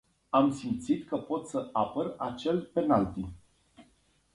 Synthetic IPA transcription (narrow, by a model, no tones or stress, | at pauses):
amsimt̪sit̪kəpo̞t̪səapərat͡ʃe̞lpe̞nalt̪i